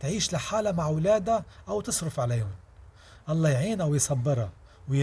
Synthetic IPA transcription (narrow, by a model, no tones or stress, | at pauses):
t̪ʕiːʃlɪħaːlamaʕwlæːd̪aʔawt̪ɨsˤɾʊfʕalajʊn | ʔɑlˤːɑːjʕiːnʔawjsˤɑbːɨɾˤa | w